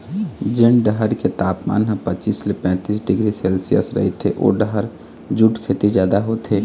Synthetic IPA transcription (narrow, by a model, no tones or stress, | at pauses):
d͡ʒɪnɖəɦəɾket̪aːpma̰ːnɦə̃pət͡ʃiːslepɛ̃ːt̪iːsɖɪɡɾiseːlsijə̰sɾə̰ɦet̪ʰeʔo̰ːɖəɦəɾ | d͡ʒuʈkʰeːt̪izjaːd̪aɦoːt̪ʰeː